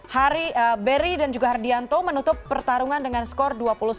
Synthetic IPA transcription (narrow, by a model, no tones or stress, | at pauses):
haɾiəbəɾidand͡ʒuɡaɦardiant̪omənut̪ʊpːərt̪aɾuŋandəŋanskɔrduapulus